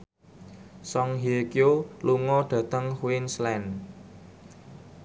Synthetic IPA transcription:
sɔŋɦikioluŋɔɖ̥ä̤t̪əŋhwinslɛn

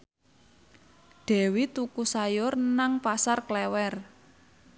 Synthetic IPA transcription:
ɖ̪̥ɛ̤wit̪ukusajʊrnaŋpasarklɛwɛr

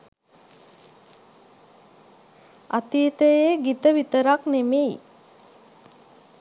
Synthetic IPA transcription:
a̰t̪iːt̪əjeːɡit̪əʋit̪əɾaknemei

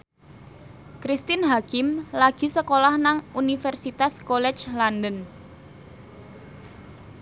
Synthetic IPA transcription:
kɾist̪ɪnɦakɪmlaɡ̥i̤səkolahnaŋunifɛrsit̪askolɛ̥t͡ʃlandən

